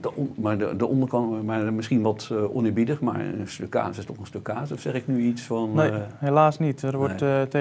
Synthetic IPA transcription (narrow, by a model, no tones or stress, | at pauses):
dəmarədəʔɔndərkɑnmamɪsχiənʋɔtʔɔ̰nɪːɹbidəxma̰ɹəstøkːa̰ːsɪstɔxənstøkʰːaːsɔfsɛxɪknyisfɔnhelaːsnitərʋɔtte